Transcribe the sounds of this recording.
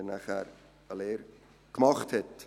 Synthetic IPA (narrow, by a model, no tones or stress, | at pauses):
næχæɾ | əleːɾ | kmɑχthɛt